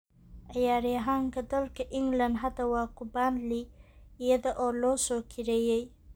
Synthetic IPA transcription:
ʔɐjaːɾɪjɐɦaːŋkʰɐd̪ɐlkʰɐʔɪŋɡlɐnd̪ɦɐd̪ɐwɑːkʰʊbanliɪjɐðɐʔɔːlɔːsɔːkʰɪɾɛːjɛj

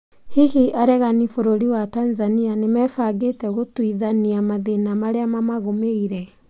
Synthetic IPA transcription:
hiɣiʔaɾɛɣanifoɾoɾiwatanzanianemɛfaɡetɛɣotwiðaniamaðenamaɾeamamaɣomeiɾɛ

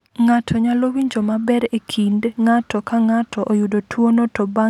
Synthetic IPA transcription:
ŋatʰɔɲalowiɲd͡ʒomabɛɾekʰindŋatɔkaŋatʰɔʔojudotʰwonɔtɔba

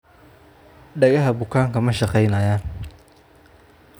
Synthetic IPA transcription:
ɖɐɣɐɦɐbʊkʰaːŋkʰɐmɐʃɑqɛjnɐjaːn

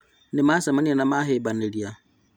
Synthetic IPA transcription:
nɪmasamanianamaɦebanelia

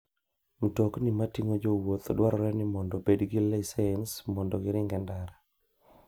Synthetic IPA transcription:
m̩toknɪmatiŋod͡ʒowot̪ɔdwaɾɔɾɛnɪmɔndɔbedɡilɛisaɛnsmɔndɔɡɪɾɪŋɡɛndaɾa

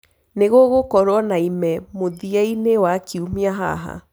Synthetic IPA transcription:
neɣoɣokɔɾwɔnaimɛmoðiainewakiumiaɦa̰ɦa̰

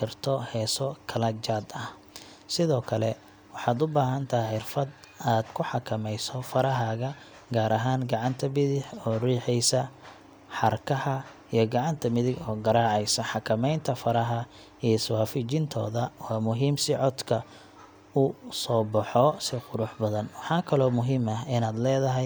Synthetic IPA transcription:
kʰɪrt̪ʰɔhɛːsɔkʰɐlɐt͡ʃaːd̪ɐh | sɪðɔːkʰɐlɛ | wɑħɑːd̪ʊbaːɦɐnt̪ʰɐɦʕɪrfɐd̪aːd̪̥kʰʊħɑkʰɐmɛjsɔfɐɾɐɦaːɣɐ | ɡaːɾɐɦaːnɡɑʕɑnt̪ʰɐmɪðɪħɔːriːħɛjsɐ | ħɑrkʰɐhɐ | ijɞɡɑʕɑnt̪ʰɐmɪðɪɡɔːɡɐɾaːʕɛjsɐħɑkʰɐmɛjnt̪ʰɐfɐɾɐɦɐ | iswaːfɪt͡ʃɪnt̪ʰɔ̰ːðɐwaːmʊɦiːmsɪʕɔd̪kʰɐ | ʊsɔːbɐħɔsɪqʊɾʊħbɐðɐnwɑħɑːkʰɐlɔːmʊɦɪmɐɪnaːd̪lɛːðɐɦɛj

